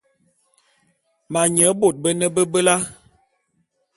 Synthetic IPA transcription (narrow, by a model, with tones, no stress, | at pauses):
ma˨ɲə˨˦bo˨t̚bə˦nə˦bə˦bə˦la˦